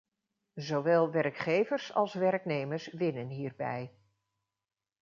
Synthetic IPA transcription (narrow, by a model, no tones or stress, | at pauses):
zoʋɛːlˠʋɛɹkχejvəɹsɑ̰lˠsʋɛɹknejməɹsʋɪnənɦiːɹbɛ̰j